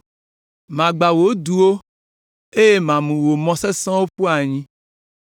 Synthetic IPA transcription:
mã˨ɡ͡ba˨wo˨˦du˨wo˦ | e˦je˦mã˨mũ˨wo˨mɔ̃˨sɛ˦sɔ̃˦wo˦ɸu˦a˨ɲĩ˦

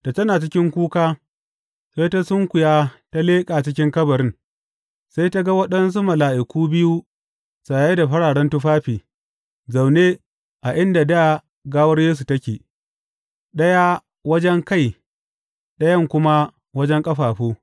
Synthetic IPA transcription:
ta˨tɐ˦naː˨t͡ʃɪ˦kʲɪ˦ŋkʷuː˦kaː˦ | sa˦jta˦sʊ˦ŋkʷʊ˨jaː˦ta˦leː˦kʼaː˨t͡ʃɪ˦kʲɪ˦ŋkɐ˦bɐ˨ɾɪ˦n | sa˦jta˦ɡa˦wɐ˦ɗɐ˦ns̬u˦mɐ˨laː˨ʔɪ˨kʷuː˦bɪ˦ju˦ | sa˨je˦da˨ɸɐ˦ɽaː˨ɽɐ˦ntu˦ɸaː˦ɸiː˨ | za˨wne˦ | ʔa˨ʔɪ˦nda˨da˦ | ɡaː˦wɐ˦ɽjeː˦s̬u˨tɐ˦kʲeː˨ | ɗɐ˦ja˦ | wɐ˦d͡ʒɛ˦ŋka˦˨j | ɗɐ˦jɐ˦˨ŋkʷʊ˦ma˦ | wɐ˦d͡ʒɛ˦ŋkʼɐ˦ɸaː˨ɸoː˦

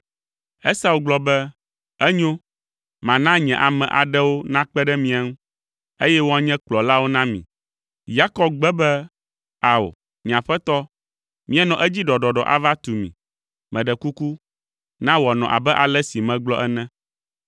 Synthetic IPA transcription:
ɛ˦sa˨wu˨ɡ͡blɔ˨bɛ˦ | ɛ˦ɲõ˦ | mã˨nã˦ɲɛ̃˨ʔa˨mɛ̃˨ʔa̰˨ɖɛ˦wo˦nã˦k͡pɛ˦ɖɛ˦mĩ˦˨a˨ŋũ˦ | e˦jɛ˦wo˦a˨ɲɛ̃˦k͡plɔ˨la˦wo˦nã˦mḭ̃˨ | ja˦kɔ˦˨b̚ɡ͡bɛ˦bɛ˦ | a˨wo̰˨ | ɲ˨ã˨ɸɛ˦t̪ɔ˦ | mĩ˦ɛ˦nɔ̃˨ʔɛ˦d͡ʑi˦ɖɔ˨ɖɔ˨ɖɔ̰˨ʔa̰˨va˦t̪u˨mḭ̃˨ | mɛ̃˨ɖɛ˨ku˦ku˦ | nã˦wɔ˨nɔ̃˨ʔa̰˨bɛ˦ʔa˨lɛ˦si˨mɛ̃˨ɡ͡blɔ˦ʔɛ˦nɛ̃˦

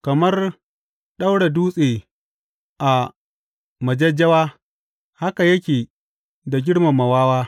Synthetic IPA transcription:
kɐ˨mɐ˦r | ɗa˦wɽe˨duː˦sʼeː˨ | ʔa˨ | mɐ˨d͡ʒɐ˦d͡ʒːɐ˦waː˦ | ha˦ka˨jɐ˦kʲeː˨ | da˨ɡʲɪ˦ɽma˨mɐ˨waː˦waː˦

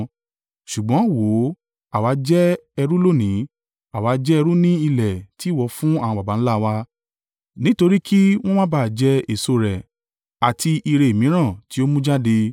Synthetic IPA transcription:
ʃu˨ɡ͡bɔ̃˨˦wo˨˦ | a˨wa˨˦d͡ʒɛ˦ɛ˧ɾũ˦lo˦˨nĩ˨˦ | a˨wa˨˦d͡ʒɛ˦ɛ˧ɾũ˦nĩ˦i˧lɛ˨ti˨˦˨wɔ˧fũ˦a˦˨wã˧ba˨ba˨˦ñ̩˦la˦˧wa˧ | nĩ˦to˧ɾi˦kʰi˦w̃ɔ̃˦mã˦baː˦˨d͡ʒɛ˧e˨so˧˨ɾɛ˨ | a˨ti˧ʔi˧ɾe˧˨mĩ˨˦ɾ̃ã˦˨ti˨˦o˦mũ˦d͡ʒa˦de˧

